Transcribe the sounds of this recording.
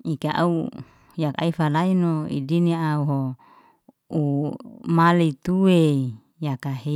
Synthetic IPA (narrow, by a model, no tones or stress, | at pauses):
ikaʔa̰u | jaka̰ifalainoḭdiniauɦo | umalit̪uwe | jakaɦe